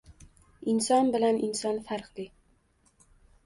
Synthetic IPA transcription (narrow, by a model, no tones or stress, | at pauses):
ɪnsɒnbɪlanɪnsɒnfaɾqlɪ